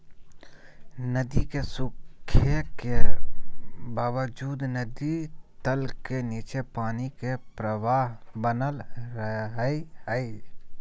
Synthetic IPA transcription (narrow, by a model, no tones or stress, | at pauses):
nəd̪ikesʊkʰːəke | baːʋəd͡ʒuːd̪nəd̪it̪əlkeniːt͡ʃepaːnikepɾəʋaːɦbənəlɾɦiɦəi